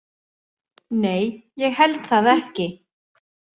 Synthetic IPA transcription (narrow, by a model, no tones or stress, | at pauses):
neːjjɛɣhɛlt̪θaðɛhcɪ